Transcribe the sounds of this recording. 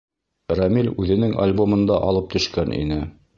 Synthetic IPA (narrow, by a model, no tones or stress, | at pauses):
ramilʲʉðɘ̆nɘŋa̰lʲbomɤ̆nd̪ɑʔɑlˠɤp̚t̪ɵ̆ʃkænʔḭnɘ